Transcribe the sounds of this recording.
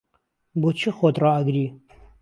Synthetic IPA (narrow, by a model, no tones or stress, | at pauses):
bot͡ʃʰixot̪rɑɐɡɾiː